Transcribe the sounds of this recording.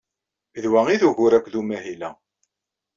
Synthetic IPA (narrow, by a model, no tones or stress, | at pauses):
ðwæŋiðuʝʊɾækʷðumæɦilæ